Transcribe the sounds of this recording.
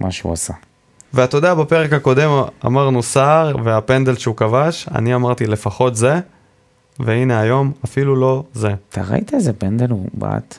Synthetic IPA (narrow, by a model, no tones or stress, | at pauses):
mʔa̰ʃeṵasa | veat̪o̞deabape̞ʁekako̞de̞ma̰maʁnusaʁveapend̪elʃeukavaʃa̰niamaʁt̪ile̞faχo̞t̪ze̞ | veine̞ajo̞mafilulo̞ze̞t̪ʰa̰ʁa̰it̪aezepend̪eluba̰t̪